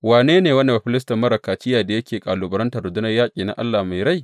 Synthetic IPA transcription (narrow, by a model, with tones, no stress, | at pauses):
waː˨neː˦neː˨wɐ˦nːe˨a˨ɸɪ˦lɪ˦s̬tɐ˨mːɐ˦ɾɐ˨kaː˨t͡ʃɪ˦jaː˨da˨jɐ˦kʲeː˨kʼaː˨luː˨bɐ˨˦ɾɐ˦ntɐ˨rːʊ˨dʊ˦nɐ˦jaː˦kʲʼiː˨na̰˨ʔa̰˦lːaː˨ma˨jɾa˦j